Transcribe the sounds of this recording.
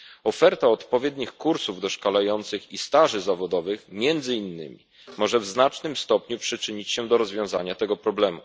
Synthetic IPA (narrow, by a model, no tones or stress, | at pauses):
ɔfɛɾt̪aɔt̪pɔvʲjɛd̪ɲixkuɾsuvd̪ɔʂkalajɔnt̪sɘxist̪aʐɘzavɔd̪ɔvɘxmʲjɛnd̪zɘinːɘ̰mʲi | mɔʐɛvznat͡ʂnɘmst̪ɔpɲupʂɘt͡ʂɘɲit͡ɕɕɛd̪ɔɾɔzvʲjɔ̃w̃zaɲat̪ɛɡɔpɾɔblɛmṵ